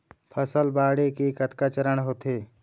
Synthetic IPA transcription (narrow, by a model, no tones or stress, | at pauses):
pʰəsəlbaːɽekekət̪kat͡ʃəɾəɳ̃ɦoːt̪eː